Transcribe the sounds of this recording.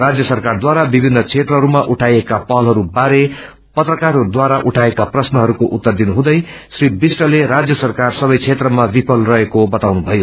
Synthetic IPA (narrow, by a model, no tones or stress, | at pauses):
rad͡zjʌsʌrkard̪waɾabibʱinːʌt͡sʰet̪rʌɦʌɾumaʔuʈʰajekapʌɦlɦʌɾubaɾe | pʌt̪rʌkarɦʌud̪waɾaʔuʈʰaekaprʌsnʌɦʌɾukoʔut̪ːʌrd̪inuɦũd̪ʌj | sribisʈʌleɾad͡zjʌsʌrkarsʌbʌjt͡sʰet̪rʌmabipʰʌlrʌɦekobʌt̪awnubʱʌjo